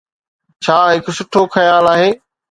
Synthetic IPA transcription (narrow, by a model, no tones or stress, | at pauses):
t͡ɕʰaːɦɪksʊʈʰːoxɐjaːlaːɦeː